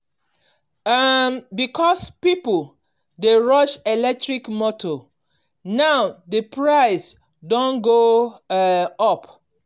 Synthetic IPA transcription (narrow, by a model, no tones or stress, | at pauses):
mbikʰɔspipol | deɹɔʃelɛk̚tɹikmɔtʰo | naʊdəpɹaɪs | dõnɡo | ɔp